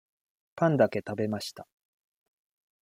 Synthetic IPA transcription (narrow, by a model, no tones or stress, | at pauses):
pãnd̪ake̞t̪abe̞maɕi̥t̪a